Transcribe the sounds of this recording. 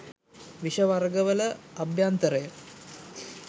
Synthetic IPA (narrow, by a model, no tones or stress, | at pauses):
ʋiʃɐʋɐrɡəʋələɐbʱjant̪əɾəjə